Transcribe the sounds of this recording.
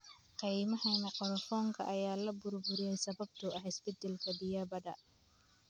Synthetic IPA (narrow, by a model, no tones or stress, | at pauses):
qijmɐhɛnɐqɔlɐfɔːŋkʰɐ̰ʔɐjaːlɐbʊrbʊɾɪjɛjsɐβɐb̚t̪ʰʊɐħɪsbɛd̪ɛlkʰɐd̪ɪjaːbɐdɐ